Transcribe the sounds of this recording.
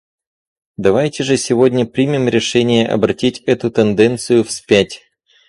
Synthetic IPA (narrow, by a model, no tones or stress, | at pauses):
d̪ɐvajtʲɪʐɨsʲɪvodʲnʲəpɾʲimʲɪmɾʲɪʂɛnʲɪjəʔɐ̰bɾɐtʲitʲɛt̪ʊt̪ɨnd̪ɛnt̪sɨjʊfspʲætʲ